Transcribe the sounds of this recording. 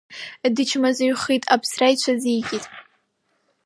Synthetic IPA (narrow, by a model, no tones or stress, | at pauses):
dɨt͡ʃʰmazɨɥχitʼapʰsrajt͡ɕʷʰazijɡʲitʼ